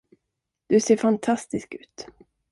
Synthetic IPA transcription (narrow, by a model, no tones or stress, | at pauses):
d̪̥ɵseːɾfant̪ʰast̪ɪskʉ̟̰ːt̪